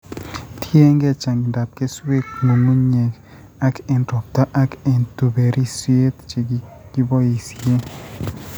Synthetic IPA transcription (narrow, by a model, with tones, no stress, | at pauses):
tʰje˦ŋɡe˦t͡ʃa˨ŋɡi˨nda˨p̚ke˦swe˦kmo˨mu˦ɲe˨k | a˦ke˨ntɔ˨p̚t̪a˦ʔa˦ke˨ntu˨be˨ɾi˦swe˦t̪t͡ʃe˨ɡ | ɡ̥i˦bɔ˦i˨sje˦